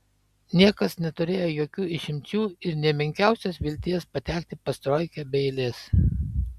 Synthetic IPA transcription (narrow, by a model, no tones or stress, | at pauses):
nʲiɛkɐsnʲɛt̪ʊɾʲeːjojoːkʲuːɪʃʲɪmʲt͡ʃʲuːɪɾnʲɛmʲɪŋʲkʲæˑʊsʲɛsʋʲɪlʲt̪ʲiːjɛspɐt̪ʲæːkʲt̪ʲɪpɐst̪ɾoːɪkʲɛbʲɛɪlʲeːs